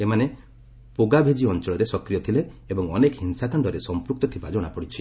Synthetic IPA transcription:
emane | poɡabʱed͡ʒiɔnt͡ʃɔɭɔɾesɔkɾijɔt̪ʰileːbɔŋɔnekɔɦinsakaɳɖɔɾesɔmpɾuk̚t̪ɔt̪ʰibad͡ʒɔɽ̃apɔɽit͡ʃʰi

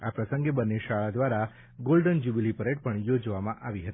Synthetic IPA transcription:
apɾəsəŋɡebənːeʃaɭad̪ʋaɾa | ɡolɖənd͡ʒubilipəɾeʈ̚pəɳjod͡ʒʋamãʔaʋiɦət̪i̥

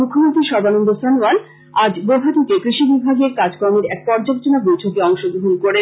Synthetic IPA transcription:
mukʰːomont̪ɾiʃɔɾbanond̪osɔnoan | ad͡ʑɡobʱat̪ukekɾiʃibibʱaɡeɾkad͡ʑkoɾmeɾɛk̚pɔɾd͡ʑabet͡ɕonabojʈʰokeɔŋʃoɡoɦunkoɾe

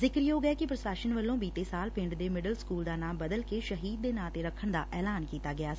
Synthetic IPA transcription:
zɪkəɾjoːɡɛːkɪpɾəsaːʃənʋəlːõːbiːt̪eːsaːlpɪ̃ɳɖd̪eːmɪɖəlskuːld̪aːnaːmbəd̪əlkeːʃəɦiːd̪̚ːeːnãːt̪eːɾəkʰːəɳd̪a̰ːʔɛːlaːnkiːt̪aːɡɪaː

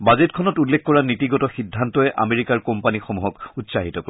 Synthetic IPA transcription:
bazetkʰɔnɔtulːekʰkɔɹanitiɡɔtɔxidʱːantɔɛʔa̰meɹikaɹkɔmpanixomuɦɔkutsaɦitɔk

